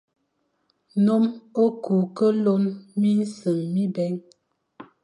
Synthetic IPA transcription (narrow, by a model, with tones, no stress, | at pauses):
no˦mo˦ku˨kə˦lo˦nmi˦n˦sə˨ŋmi˦bɛ˨˦ŋ